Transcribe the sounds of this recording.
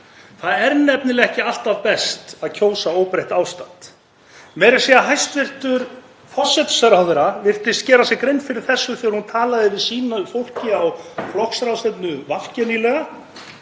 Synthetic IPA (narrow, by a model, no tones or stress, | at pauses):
θaðɛɾnɛpnɪlɛɣɛhcɪal̥t̪aðpɛst̪aðcʰoːwsaoːwpɾajht̪aːwst̪an̥t̪ | mɛːɾɪ̥siaɦajst̪vɪr̥t̪ʏɾ | fɔsːɛt̪sɛɾaðʏɾavɪr̥t̪ɪscɛːɾasɛkɾejnfɪɾɪɾ̥θɛsːʏθɛaɾ̥hunt̪ʰaːlaðɪvɪðsiːnafowl̥cɪawflɔhksɾawsɛpnʏvafcɛnilɛɣa